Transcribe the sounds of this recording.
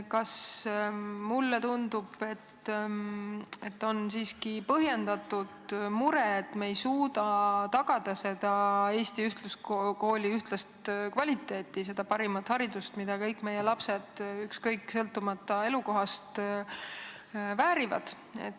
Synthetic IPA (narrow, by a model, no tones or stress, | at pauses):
kɑs | mulːet̪und̪̥ub̥e̞t̪ː | e̞t̪ːo̞nsiːskipɤɦje̞nd̪ɑt̪ːˑud̪̥muɾeet̪ːmeejsuːd̪ɑt̪ɑɡ̥ɑd̪̥ɑse̞d̪ɑe̞ːst̪iyht̪lusko̞ːlʲiyht̪lɑst̪kvɑlʲit̪ːˑe̞ːt̪ːˑise̞d̪̥ɑpɑɾimɑt̪ːˑhɑɾid̪ust̪mid̪̥ɑkɤjkːˑme̞jelɑpse̞d̪̥ykskɤjkːsɤlt̪ːˑumɑt̪ːˑɑe̞luko̞ɦɑst̪ | væːɾivɑ̰d̪̥ | ḛt̪ː